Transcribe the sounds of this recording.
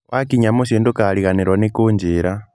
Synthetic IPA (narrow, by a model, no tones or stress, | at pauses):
wʔakiɲamuʃiːndukaliɣaniɾwanikuɲd͡ʒiɾa